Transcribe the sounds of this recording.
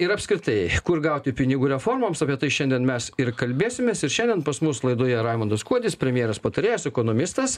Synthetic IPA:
ɪɾɐpʲskɾʲɪt̪ɐɪkʊɾɡɐˑʊt̪ʲɪpʲɪnʲɪɡuːɾʲɛfoːɾmɐmsɑpʲiɛt̪ɐɪʃʲɛnʲd̪ʲiɛnmʲɛsɪɾkɐlʲbʲeːsʲɪmʲeːsɪɾʃʲɛnd̪ʲiɛnpɐsmʊslˠɐɪd̪oːjɛɾɑɪmɐnd̪ɐskuɔd̪ʲɪspʲɾʲɛmʲjeːɾɐspɐt̪ɐɾʲeːjosɛkoːnoːmʲɪst̪ɐs

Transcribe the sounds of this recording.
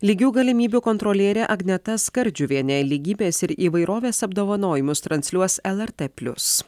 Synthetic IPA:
lʲiɡʲuːɡɐlʲɪmʲiːbʲuːkɔnt̪ɾɔlʲiɛːɾʲɛʔɐɡnʲɛt̪ɐskɐɾʲˑd͡ʒʲuːʋʲiɛnʲɛlʲiːɡʲiːbʲeːsɪɾiːʋɐɪɾoːʋʲeːsɐb̚d̪oːʋɐnoːjɪmʊst̪ɾɐnʲsʲlʲuɔsɛlˠɛɾt̪epʲlʲʊ̰s

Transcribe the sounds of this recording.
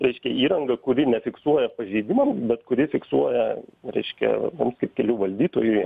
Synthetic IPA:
ɾʲɛɪʃʲkʲɛiːɾɐŋɡɐkʊɾʲɪnʲɛfʲɪksuɔjɛpɐʒʲɛɪd̪ʲɪmɐmbʲɛt̪kʊɾʲɪfʲɪksuɔjɛɾʲɛ̰ɪʃʲkʲɛ̰ɐ̰mumskɐɪp̚kʲɛlʲuːʋɐlʲd̪ʲiːt̪oːjʊ

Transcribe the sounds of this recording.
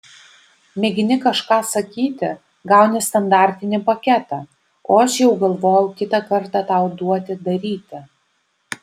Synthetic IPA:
mʲɛɡʲɪnʲɪkɐʃkɑːsɐkʲiːt̪ʲɪ | ɡɑˑʊnʲɛst̪ɐnd̪ɑːˑɾʲt̪ʲɪnʲɪpɐkʲɛt̪ɑː | oːɐʃjɛʊɡɐlˠʋoːjɛʊkʲɪt̪ɐkɐɾt̪ɑt̪ɑˑʊd̪uɔt̪ʲɪd̪ɐɾʲiːt̪ʲɪ

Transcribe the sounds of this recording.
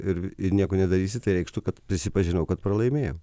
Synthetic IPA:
ɪɾɪnʲiɛkʊnʲɛd̪ɐɾʲiːsʲɪt̪ɐɪɾʲɛɪkʃt̪ukɐt̪pʲɾʲɪsʲɪpɐʒʲɪnɐʊkɐt̪pɾɐlˠɐɪmʲeːjo

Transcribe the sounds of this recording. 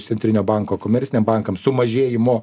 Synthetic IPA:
t̪sʲɛnt̪ʲɾʲɪnʲoːbɑŋkoːkoːmʲɛɾʲtsʲɪnʲɛmbɑŋkɐmsʊmɐʒʲeːjɪmoː

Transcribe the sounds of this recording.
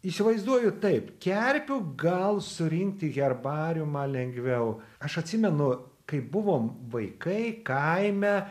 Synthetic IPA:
isʲɪʋɐɪzd̪uɔjʊt̪ɐɪpkʲɛɾʲpʲʊɡɐlˠsʊɾʲɪŋʲkt̪ʲɪɣʲɛrbɑːɾʲumɑlʲɛŋʲɡʲʋʲɛʊɐʃɐt̪ʲsʲɪmʲɛnʊ | kɐɪpbʊʋoːmʋɐɪkɐɪkɐɪmʲɛ

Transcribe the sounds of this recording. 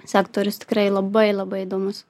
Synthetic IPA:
sʲæːkt̪oːɾʲʊst̪ʲɪ̥kɾɐɪlˠɐbɐɪlˠɐbɐɪɪd̪oːmʊs

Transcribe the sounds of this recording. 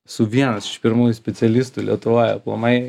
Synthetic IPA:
sʊʋʲiɛnɐsɪ̥ʃpʲɪɾmuːjusʲpʲɛtsʲɛlʲɪst̪ulʲḭɛt̪ʊʋoːjɛplˠɐ̰mɐɪ

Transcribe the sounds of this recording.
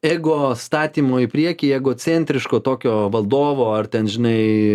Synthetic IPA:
ɛːɡʊst̪ɑːt̪ʲiːmoːɪpʲɾʲiɛkʲijɛːɡoːt͡sʲɛːnʲt̪ʲɾʲɪʃkoːt̪oːkʲoːʋɐlˠd̪oːʋoːɐrt̪ʲɛnʒʲɪnɐɪ

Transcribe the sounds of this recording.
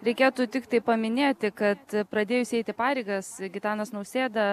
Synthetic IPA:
ɾʲɛɪkʲeːt̪uːt̪ʲɪkt̪ɐɪpɐmʲɪnʲeːt̪ʲɪkɐt̪pɾɐd̪ʲeːjʊsʲɛɪt̪ʲɪpɑːɾʲɛɪɡɐsɡʲɪt̪ɑːnɐsnɐʊsʲeːd̪ɐ

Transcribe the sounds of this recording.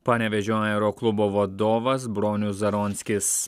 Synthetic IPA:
pɐːnʲɛʋʲɛʒʲoaɛɾoklˠʊboʋɐd̪oːʋɐsbɾoːnʲuzɐɾɔnʲsʲkʲɪs

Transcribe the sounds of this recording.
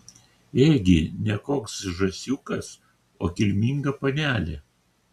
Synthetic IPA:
eːɡʲɪnʲɛkoːksʒɐsʲuːkɐs | oːkʲɪlʲmʲiŋɡɐpɐnʲæːlʲeː

